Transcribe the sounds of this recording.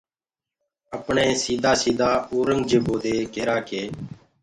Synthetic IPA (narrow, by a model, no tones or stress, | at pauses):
əpɳẽːsiːd̪ʱaːsiːd̪ʱaːoːɾəŋɡd͡ʒeːboːd̪eːkeːɾaːkeː